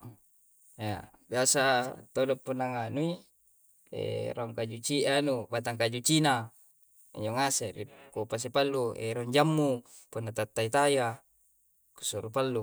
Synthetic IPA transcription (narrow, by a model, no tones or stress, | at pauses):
ja | biasat̪odopːunːaŋanui | ḛɾaŋkad͡ʒut͡ʃiʔanubat̪aŋkad͡ʒut͡ʃina | ḭɲd͡ʒoŋaseɾḭkupas̬epalːuḛɾoɲd͡ʒamːu | punːat̪at̪ːait̪aja | ku̥suɾupalːu